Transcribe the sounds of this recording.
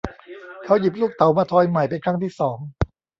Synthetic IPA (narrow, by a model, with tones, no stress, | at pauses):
kʰa˧˦˥wji˨˩p̬̚luː˥˩k̚t̪a˨˩˦wmaː˧t̪ʰɔː˧jma˨˩jpe˧nkʰɾa˥˩ŋt̪ʰiː˥˩sɔː˩˦ŋ